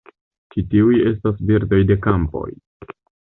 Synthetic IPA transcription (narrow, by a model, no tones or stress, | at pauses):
t͡ʃitiuje̞s̬tasbiɾdo̞jde̞kampo̞̰j